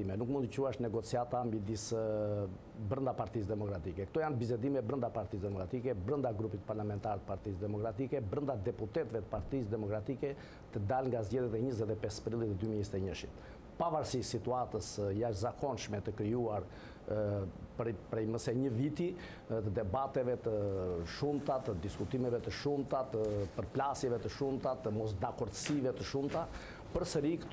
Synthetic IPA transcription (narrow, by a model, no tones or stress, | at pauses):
imɛnukmund̪əcuaʃnɛɡɔt͡siat̪amid̪is | bɾənd̪apaɾt̪is̬d̪ɛmɔkɾat̪ikɛkət̪ɔjanbisɛd̪imɛbɾənd̪apaɾt̪isd̪ɛmɔkɾat̪ikɛbɾənd̪aɡɾupit̪paɾlamɛnt̪aɾɛt̪ə̥paɾt̪isd̪ɛmɔkɾat̪ikɛbɾənd̪ad̪ɛput̪ɛt̪vɛt̪ə̥paɾt̪isd̪ɛmɔkɾat̪ikɛ | t̪əd̪alŋɡazɟɛðjɛt̪ɛɲəzɛt̪ɛpɛspɾilˠit̪ɛd̪ymiɛzt̪ɛɲəʃḭt̪ | pavaɾsiʃsit̪uat̪əsjaʃzakʰɔnʃmɛt̪əkɾiuaɾ | pɾpɾɛjməsɛɲəvit̪i | t̪əd̪ɛbat̪ɛvɛt̪əʃumt̪at̪əd̪iskut̪imɛvɛt̪əʃumt̪at̪əpəɾplasjɛvɛt̪əʃumt̪at̪əmɔsd̪akɔɾd̪sivɛt̪əʃumt̪a | pəɾsəɾikə̥t̪